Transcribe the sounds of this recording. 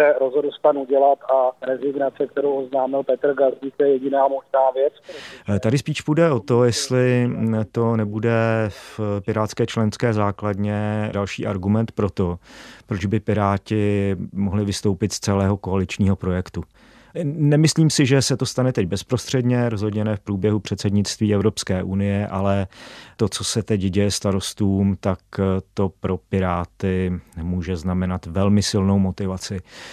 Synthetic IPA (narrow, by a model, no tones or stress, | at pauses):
ɛɾozɦodl̩st̪anuɟɛlat̪aɾɛzɪɡnat͡sɛk̚t̪ɛɾowʔoznaːmɪlpɛt̪r̩ɡalziːkt̪jɛjɛɟɪnaːmoʒnaːvjɛt͡st̪adɪspiːʃpudɛʔot̪o̞jɛst̪lɪt̪o̞nɛbudɛfpɪɾaːt̪skɛːt͡ʃlɛnskɛːzaːkladɲɛdalʃḭːʔa̰ɾɡumɛnt̪pɾo̞t̪o̞pɾo̞d͡ʒbɪpɪɾaːcɪmoɦlɪvɪst̪owpɪt̪st͡sɛlɛːɦo̞ko̞alɪt͡ʃɲiːɦo̞pɾo̞jɛkt̪u | nɛmɪsliːmsɪʒɛsɛt̪ost̪anɛt̪ɛɟ̚bɛspɾo̞st̪r̥ɛdɲɛɾo̞zɦo̞dɲɛnɛːfpɾuːbjɛɦupr̥ɛt̪sɛdɲɪtt͡st̪viːɛvɾo̞pskɛːʔunɪjɛʔalɛt̪o̞t͡so̞sɛt̪ɛɟɟɛjɛst̪aɾo̞st̪uːmt̪akt̪o̞pɾo̞pɪɾaːt̪ɪmuːʒɛznamɛnat̪vɛlmɪsɪlno̞wmo̞t̪ɪvat͡sɪ